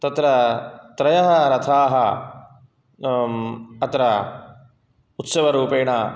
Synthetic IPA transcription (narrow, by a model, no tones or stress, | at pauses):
t̪ɐt̪ɾɐt̪ɾɐjɐɦɐɾɐt̪ʰaːɦɐ | ɐt̪ɾɐ | ut̪sɐʋɐɾuːpeːɳaː